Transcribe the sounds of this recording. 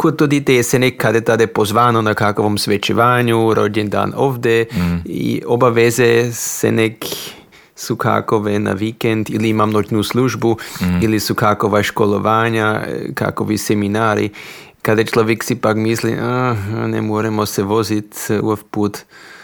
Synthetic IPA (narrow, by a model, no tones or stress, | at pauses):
kot̪ːod̪it̪ejesenekːad̪et̪ad̪epozʋaːnonakakoʋomsʋet͡ʃeʋaːɲuɾo̰dend̪a̰ːnoːʋd̪eḭobaʋezesḛnek | sukʰa̰koʋena̰ʋikend̪iliimamnod͡ʒnusluʒbuilisukakoʋaʃkoloʋaːɲaka̰koʋiseminaːɾḭ | kad̪jet͡ʃloʋjeksipakmislḭʔanḛmoɾɛmosɛʋozit̪ṵfpuːt̪